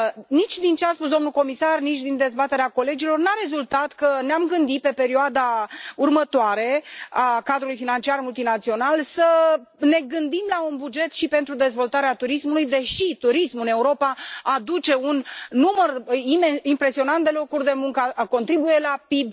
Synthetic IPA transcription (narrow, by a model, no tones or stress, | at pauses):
nit͡ʃʲd̪int͡ʃeaspus̬d̪omnuko̞misarnit͡ʃʲd̪ind̪e̞zbat̪e̞ɾeako̞le̞d͡ʒilo̞rnaɾe̞zult̪at̪kəneamɡɨnd̪it̪̚pe̞pe̞ɾioad̪aurmət̪oaɾe̞akad̪ɾulujfinant͡ʃiarmult̪inat̪sio̞nalsəne̞ɡɨnd̪imlaunbud͡ʒe̞t̪ʃipe̞nt̪ɾud̪e̞zvo̞lt̪aɾeat̪uɾismulujd̪e̞ʃit̪uɾismɨne̞uɾo̞paad̪ut͡ʃe̞unːumərimeimpɾe̞sio̞nant̪̚d̪e̞lo̞kurʲd̪e̞muŋkəko̞nt̪ɾibuje̞lapib